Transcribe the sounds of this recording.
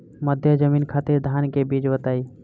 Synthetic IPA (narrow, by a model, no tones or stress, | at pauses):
məd̪ʱjəd͡ʒəminkʰat̪iɾd̪ʱankebid͡ʒbət̪ai